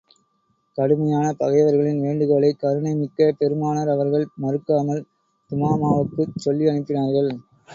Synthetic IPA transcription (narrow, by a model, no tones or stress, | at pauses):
kɐɽɯmɐjaːnɐpɐɣɐɪʋɐɾɣɐɭɪnʋeːɳɖɯɣaːɭɐɪkɐɾɯɳɐɪmɪkːɐpɛɾɯmaːnɐɾɐʋɐɾɣɐɭmɐɾɯkːaːmɐl | t̪ʊmaːmaːʋɯkːɯt͡ʃɔlːiɐɳɪp̪ːɪnaːɾɣɐɭ